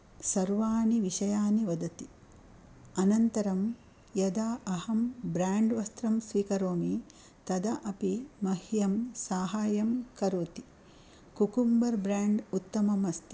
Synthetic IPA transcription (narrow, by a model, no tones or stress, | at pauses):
sɐɾʋaːniʋiʃɐjaːniʋɐd̪ɐt̪i | ɐnɐnt̪ɐɾɐm | jɐd̪aːɐhɐmbɾaːɳɖʋɐst̪ɾɐmsʋiːkɐɾoːmi | t̪ɐd̪ɐʔɐpimɐhjɐmsaːɦaːjɐmkɐɾoːt̪i̥ | kukumbɐɾbɾaːɳɖut̪ːɐmɐmɐst̪i̥